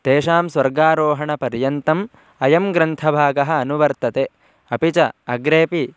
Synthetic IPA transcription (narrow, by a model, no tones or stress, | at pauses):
t̪eːʃaːmsʋɐɾɡaːɾoːɦɐɳɐpɐɾjɐnt̪ɐm | ɐjɐmɡɾɐnt̪ʰɐbʱaːɡɐɦɐ̆ːnuʋɐɾt̪ɐt̪e | ɐpit͡ʃɐɐɡɾeːpi